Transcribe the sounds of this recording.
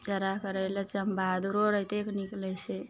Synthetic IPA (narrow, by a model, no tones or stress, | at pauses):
t͡ʃəɾakəɾɛlət͡ʃəmbʱad̪uɾoɾəɦt̪ekniklɛt͡ʃʰɛ